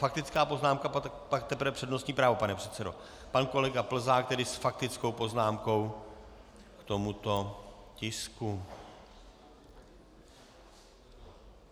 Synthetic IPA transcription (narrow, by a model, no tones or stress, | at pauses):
fak̚t̪ɪt͡skaːpo̞znaːmkaa | pak̚t̪ɛpɾ̩vɛpr̥ɛdno̞st̪ɲiːpɾaːvopanɛpr̝̥ɛt̪t͡sɛdo̞̰ | panko̞lɛɡapl̩zaːk̚t̪ɛdɪsfak̚t̪ɪt͡sko̞wpo̞znaːmko̞w | kt̪omut̪o̞cɪsku